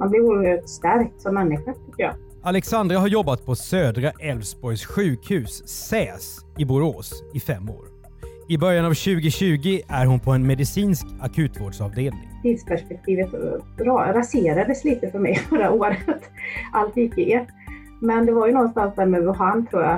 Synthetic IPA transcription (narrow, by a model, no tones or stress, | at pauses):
manblɛvuːɾt̪st̪æɾk̚t̪sɔmːɛnːɪɧat̪ʰʏkːəɾjɑ̰ː | ʔalɛksand̪ɾaɦaɾjɔbːat̪̚pʰɔsøːd̪ɾaʔɛlvsbɔɾjsɧʉ̟ːkhʉ̟ːsːɛːs | ɪbʊɾoːsɪfɛmːo̰ːɾ | ɪbœɾjanavɕʉ̟ːɡɪɕʉ̟ːɡɪʔæɾɦʊnpʰɔɛnmɛd̪ɪsiːnskakʰʉ̟ːt̪voːɖʂɑːvd̪eːlnɪ̰ŋt̪ʰiːd̪spʰæʂpɛk̚t̪ʰiːvət̪ɾɑɾaseːɾad̪əsliːt̪əfœɾmɛjfœɾaoːɾət̪ʔalt̪ɪkːəʔɛ | mɛnd̪ɛvaɾjɵnɔt̪slansd̪æɾmʉɔɦant̪ʰɾuːja